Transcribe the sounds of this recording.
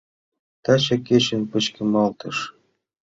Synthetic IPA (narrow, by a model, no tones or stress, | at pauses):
t̪ɑt͡ɕɑket͡ɕə̆npə̆t͡ɕkə̆mɑlt̪ɤ̆ʃ